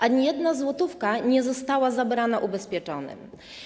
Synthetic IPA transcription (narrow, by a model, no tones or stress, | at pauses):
ʔaɲijɛd̪nazwɔt̪ufkaɲɛzɔst̪awazabɾanaʔubɛspʲjɛt͡ʂɔnɘ̰m